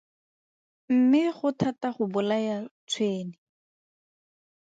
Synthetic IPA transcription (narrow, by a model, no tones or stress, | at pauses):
m̩mɪχʊtʰataχʊbʊlajat͡sʰweːnɪ